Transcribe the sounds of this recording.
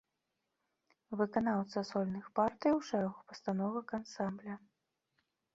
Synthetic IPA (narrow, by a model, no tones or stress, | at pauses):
vɨkan̪awt̪sɐsɔlʲnɨxpart̪ɨjwʂɛɾɐɣupɐst̪anɔvɐkansamblʲɐ